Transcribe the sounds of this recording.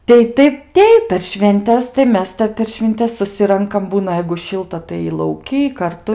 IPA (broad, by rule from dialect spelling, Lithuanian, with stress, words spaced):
ˈtɐɪ ˈtɐɪp ˈtʲɛɪp pʲɛr ʃʲʋʲɛnʲˈtʲɛs tɐɪ ˈmʲɛs ˈtʲɛp pʲɛr ʃʲʋʲɪnʲˈtʲɛs sʊˈsʲɪrɐŋkɐm ˈbuːnɐ jɛɪɡʊ ˈʃʲɪlˠtɐ tɐɪ lˠɐʊˈkʲiː kɐrˈtʊ